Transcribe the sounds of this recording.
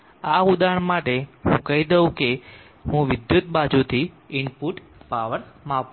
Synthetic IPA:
aud̪aɳ̃maʈeɦṵ̃kəid̪əũke | ɦũʋɪd̪jʊt̪̚ɓad͡ʒut̪ʰi | ɪnpuʈ | paʋəɾmap

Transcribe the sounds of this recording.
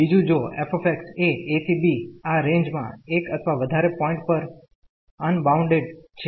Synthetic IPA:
id͡ʒũd͡ʒoefefekseet̪ʰibiaɾẽɲd͡ʒmã̰ekət̪ʰʋaʋəd̪ʱaɾepɔ̃ĩɳʈ̚pəɾ | ənbauɳɖeɖt͡ʃʰe

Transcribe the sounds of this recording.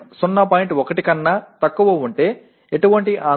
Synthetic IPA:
sunːɐp̬aːjiɳʈɔkɐʈikɐnːɐt̪ɐkːuʋɐuɳʈe̞ː | eʈuʋɐɳʈiʔaː

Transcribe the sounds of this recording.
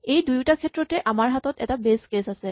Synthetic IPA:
ejdujtakʰɛtɹɔtɛʔamaɹɦatɔtɛtabeskesasɛ

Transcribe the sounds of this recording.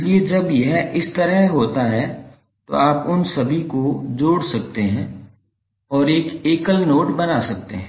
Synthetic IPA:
lied͡ʒɐbjɐɦɪst̪ɐɾəɦɦoːt̪aɦɛ | t̪o̰aːpʊnsɐbʱikod͡ʒoːɽsɐk̚t̪eɦɛ̃ː | ɔːɾeːkeːkəlnoːʈbɐnasɐk̚t̪ḛɦɛ̃

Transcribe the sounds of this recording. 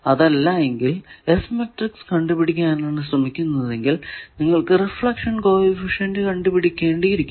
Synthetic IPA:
ɐðɐlːɐe̞ŋɡilesmeʈrikskɐɳɖupiɽikʲːaːnaːɳɨsrɐmikʲːunːɐðe̞ŋɡilniŋːɐɭkɨrefɭɐkʂɐnko̞ːʋifiʂɐndɨkɐɳɖɨpiɽikʲːeːɳɖiiɾikʲː

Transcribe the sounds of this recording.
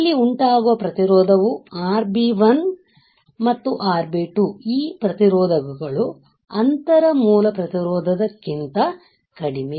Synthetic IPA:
ɐlːiuɳʈaːɡuʋɐpɾɐt̪iɾɔːd̪ʱɐʋuaːɾbiʋɐn | mɐt̪ːuʔaːɾbiːʈuiːpɾɐt̪iɾɔːd̪ʱɐɡɐɡɐɭu | ɐnt̪ɐɾɐmuːlɐpɾɐt̪iɾɔːd̪ʱɐd̪ɐkːint̪ɐ | kɐɽimi

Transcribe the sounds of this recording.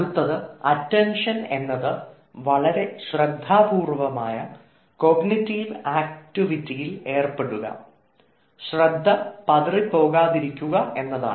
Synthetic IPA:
t̪ːɐðɨɐtːenʂɐne̞nːɐðɨ | ʋɐɭɐɾe̞ɕrɐd̪ʱːaːbuːrʋɐmaːjɐ | ko̞ɡnitːiːʋaːk̚tiʋitːijile̞ːrpe̞ɽuɣɐ̰ | ɕrɐd̪ʱːɐpɐðripo̞ːɣaːðiɾikʲːuɣɐʔe̞nːɐða̰ːɳ

